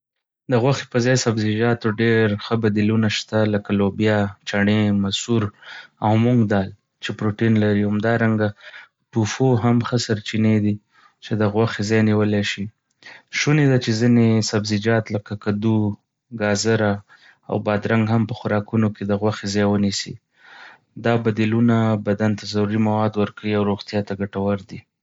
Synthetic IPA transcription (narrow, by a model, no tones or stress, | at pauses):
d̪əɣwaxe̥pəzɑjsabzid͡ʒɑt̪oɖeɾxəbad̪ilunaʃt̪aləkalobjɑt͡ʃaɳemasuɾawmuŋɡd̪ɑl | t͡ʃepɾoʈinlaɾihamd̪ɑɾaŋɡa | ʈufoɦamxəsaɾt͡ʃined̪i | t͡ʃed̪əɣwaxezɑjniwəlaʃi | ʃuned̪at͡ʃezinesabzid͡ʒɑt̪ləkakad̪u | ɡɑzɪɾa | a̰wbɑd̪ɾaŋɡɦampəxʊɾɑkunoked̪əɣwaxezɑjwənisḭ | d̪ɑbad̪ilunabad̪ant̪azaɾuɾimawɑd̪wəɾkawiawɾoɣt̪jɑt̪aɡaʈawaɾd̪i